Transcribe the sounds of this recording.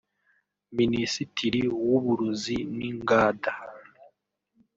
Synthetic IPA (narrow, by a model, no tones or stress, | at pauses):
minisitʰiɾiwuβuɾuziniŋɡaːda